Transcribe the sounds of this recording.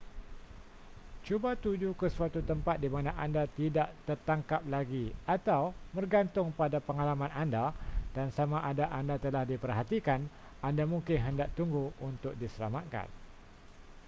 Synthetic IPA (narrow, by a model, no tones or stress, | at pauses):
t͡ʃubat̪ud͡ʒukəsuat̪ut̪əmpat̪̚dimanaʔandat̪idaʔt̪ərt̪aŋkap̚laɡiat̪awmərɡant̪ʊŋpadapəŋalamãnandad̥ansamaʔandaʔandat̪əlahdipərɦat̪ikan | andamũŋkɪnɦəndaʔ̚t̪uŋɡuunt̪ʊk̚disəla̰mat̪̚ka̰n